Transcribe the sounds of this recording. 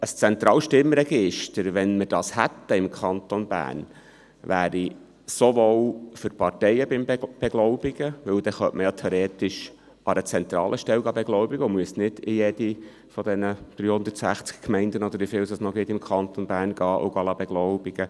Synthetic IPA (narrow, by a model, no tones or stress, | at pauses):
əst͡sɛnt̪ɾɑːlʃtɪmɾɛɡ̥ɪʃtəɾʋɛnməd̥ɑːshæt̪ːəɪmkʰɑnt̪onbæ̰ːrn | ʋæːɾi | soʋowfʏɾpʰɑɾtɛjəbɪmb̥ɛɡlɔʊbiɡ̥əʋɵwd̪ɛχœʔməjɑt̪ʰeoɾeːt̪ɪʃ | ʔɑɾət͡sɛnt̪ɾɑ̰ːlʔəʃtɛlwɡɑbɛɡlɔʊbiɡ̥əʊmʉəsnɪd̥̪ɪjɛd̥̪i | fɔd̪ɛnəd̪̥ɾyːhʊnd̪ətsæχt͡skkmɛɪnd̪ənɔd̪əɾʋifɪːlsəsnɔɡɪt̪ɪmkʰɑnt̪onbæːɾnɡ̥ɑːʔʊ̰ɡɑlɑbeɡ̥loʊb̥iɡ̥ə